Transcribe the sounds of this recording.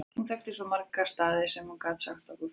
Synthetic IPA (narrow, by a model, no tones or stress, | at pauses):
hunθɛxt̪ɪsɔmaɾkast̪aːðɪsɛmhunkaːt̪saxt̪akɔ